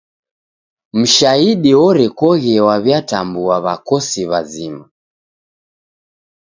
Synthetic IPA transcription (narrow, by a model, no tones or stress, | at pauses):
m̩ʃaiɗiɔɾɛkwɔɣɛwaβjatambuaβakɔsiβazima